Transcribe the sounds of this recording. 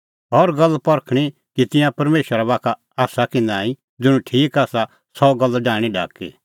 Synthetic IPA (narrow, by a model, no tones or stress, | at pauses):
ɦɔɾɡɐlːpɐɾkʰɽ̃i | kit̪ɪ̃jãpɐɾmeːʃəɾaβaːkʰa | aːsakɪ̃nd̪aːĩ | d͡zɪɽ̃ũʈʰiːkaːsa | sɔɡɐlːɖaːɽ̃iɖa̰ːkḭː